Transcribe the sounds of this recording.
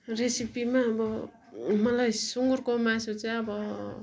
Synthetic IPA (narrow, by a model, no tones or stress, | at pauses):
resipimaʌbʌ | mʌlajsuŋɡurkomãsot͡saj̃ʌbʌ